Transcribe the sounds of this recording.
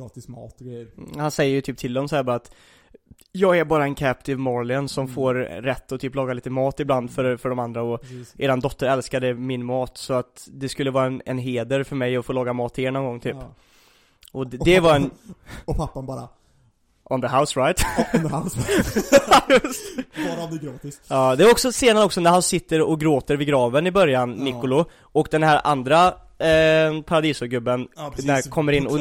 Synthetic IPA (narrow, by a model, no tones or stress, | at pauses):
ɾɑːt̪ɪsmɑ̰ːt̪ɔɡɾɛjəɾhansɛjːəjət̪ʰyːp̚t̪ʰɪld̪ɔmsɔhæːɾbɑːɾaːt̪ | jɑːɡæɾbɑːɾaɛnkʰæp̚t̪ɪvmɔɾlɪənsɔmfoːɾɾɛt̪ːɔt̪ʰyːplɑːɡaliːt̪əmɑːt̪ɪbland̪fœɾfœɖɔmand̪ɾaɔʔeːd̪and̪ɔt̪ːəɾɛlskad̪əmɪnmɑːt̪sɔat̪d̪ɛskɵlːəvɑːɾaɛnɛnɦeːd̪əɾfœɾmɛjɔfoːlɑːɡamɑːt̪ʰːɪɛɳɔnɡɔŋt̪ʰyːp | ʔɔd̪ɛvaɾɛnpʰapːanbɑːɾa̰ | ʔɔnðəɦaʊsɾajt̪has | js | ɡɾɑːt̪ɪsɑːd̪ɛvaɾɔksɔseːnaɾəɔksɔnæɾhansɪt̪ːəɾɔɡɾoːt̪əɾvɪɡɾɑːvənɪbœɾjanːɪkːʊlʊ | ɔkd̪ɛnhɦæɾa̰nd̪ɾa | pʰaɾad̪iːsʊɾɡɵbːənnæɾkʰɔmːəɾɪnːɔ